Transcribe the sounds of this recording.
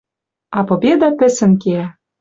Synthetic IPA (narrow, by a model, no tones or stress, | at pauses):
ɑpobʲed̪ɑpɘ̆sɘ̆nkeæ